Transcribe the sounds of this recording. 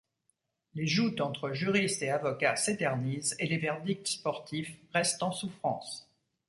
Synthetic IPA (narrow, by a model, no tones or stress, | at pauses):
leʒut̪ɑ̃t̪χəʒyʁist̪eavɔkaset̪ɛʁnizelevɛʁd̪ik̚t̪spɔʁt̪ʰifʁɛst̪ɑ̃sufχɑ̰̃s